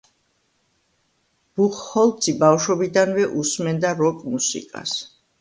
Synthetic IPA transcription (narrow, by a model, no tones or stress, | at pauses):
b̥uχhɔlˠt̪sʰʼibawʃɔbid̪anvɛʔusmɛnd̪aɾɔkʼmusḭkʼa̰s